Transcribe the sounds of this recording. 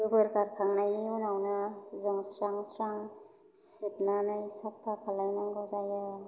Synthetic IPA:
bɯbɯɾkaɾkʰaŋnajiunawnazɔŋsɾaŋsɾaŋ | sipnanajsap̚tʰakʰalajnaŋɡɔzaja

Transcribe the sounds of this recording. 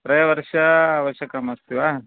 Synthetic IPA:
pɾɐjʋɐɾʂɐaʋɐʃɐkɐmɐst̪iʋa

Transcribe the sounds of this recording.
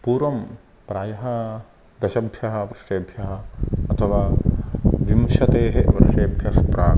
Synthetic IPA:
puːɾʋɐm | pɾaːjɐɦɐ̆ | d̪ɐʃɐbʱjɐɦɐ̆ʋɐɾʂeːbʱjɐɦɐ̆ɐt̪ʰɐʋaː | ʋimʃɐt̪eːɦeʋɐɾʂeːbʱjɐspɾaː

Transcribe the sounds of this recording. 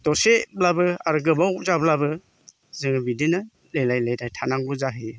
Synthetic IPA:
tɔseblabɯaɾɡɯbawzablabɯ | zɯŋbidinɯ | lejlajlajdajtʰanaŋbɯzaɦɯ

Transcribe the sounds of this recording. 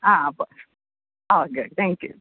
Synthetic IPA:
abʌs | oʊɡʊd̥̚t̪æ̃ŋkjʉ̰

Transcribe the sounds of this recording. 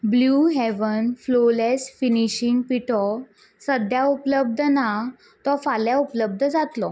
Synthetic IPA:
bljuːɦɛʋənflolɛsfiniɕiŋɡpiʈɔ | səd̪ʱjaupləbd̪ʱəna | t̪ɔfaljaupləb̚d̪ʱəd͡zat̪lɔ

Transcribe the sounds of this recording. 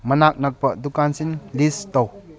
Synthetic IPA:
mɐnak̚nɐk̚pɐdukansinlist̪ɔw

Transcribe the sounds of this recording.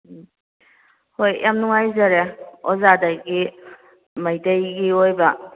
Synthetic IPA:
hojjʔamnuŋajzaɾeɔzadaɡi | məjdajɡiojbɐ

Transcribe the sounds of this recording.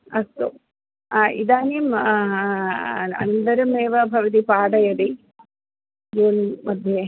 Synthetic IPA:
ɐst̪o̰ | aːʔiðaːnijum | ɐ̰nɐnd̪ɐɾɐmeːʋɐbʱɐʋɐd̪ipaːɽɐjɐði | joːnmɐd̪ʱje

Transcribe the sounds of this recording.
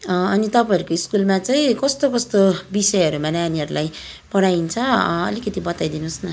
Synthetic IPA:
ʌnit̪ʌpajʌɾukoiskulmat͡saĩkʌst̪okʌst̪obisʌjʌɾumanaaniɦʌɾulaj | pʌɽajint͡sʰʌʌ̰likʌt̪ibʌt̪ajd̪inusnʌ

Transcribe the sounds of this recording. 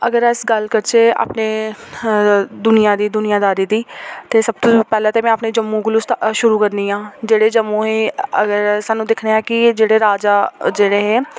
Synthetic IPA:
əɡəɾəsɡəlkəɾt͡ʃeːa̰ːpneː | d̪ʊnɪjãːd̪iːd̪ʊnɪjãːd̪aːɾiːd̪iːt̪eːsəb̚t̪õːpɛːlãːt̪eːmɛ̃ːapneːd͡ʒəmːũːɡʊlʊst̪ʃʊɾuːkəɾniːãːd͡ʒeːɽeːd͡ʒəmːũːɦeːəɡəɾsaːnːũːd̪ɪkʰneːãːkɪd͡ʒeːɽeːɾaːd͡ʒaːd͡ʒeːɽeːɦeː

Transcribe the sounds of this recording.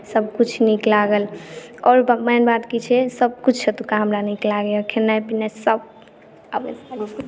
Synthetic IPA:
səb̚kut͡ʃʰniklaɡəlɔːɾbmənbat̪kit͡ʃʰɛsəb̚kut͡ʃʰsət̪ukaɦəmɾaniklaɡeɔkʰenajpinesəb̚ | əpḛs

